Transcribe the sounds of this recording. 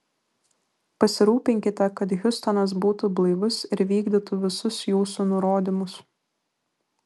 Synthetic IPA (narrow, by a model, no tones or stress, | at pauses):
pɐsʲɪɾuːpʲɪŋʲkʲɪt̪ʲɛkɐt̪ɣʲʊst̪ɔnɐs̬buːt̪ublˠɐɪʋʊsɪɾʋʲiːɡd̪ʲɪt̪uʋʲɪsʊsjuːsunʊɾoːd̪ʲɪmʊs